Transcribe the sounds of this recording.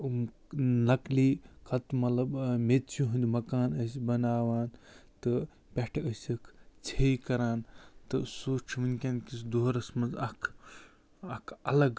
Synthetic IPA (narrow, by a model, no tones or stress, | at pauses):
m | nɐkliːkʰɐt̪mɐt̪lɐbmet̪t͡ʃʰiɦund̪mɐkaːnɐsbɐnaːʋaːnt̪ɨ | pʲeʈʰɐsʲɐkʰt͡sʰejkɐɾaːnt̪ɨsuːt͡ʃʰiʋɐnʲkʲankisd̪oɦɾɐsmɐnzɐkʰ | ɐkʰɐlɐɡ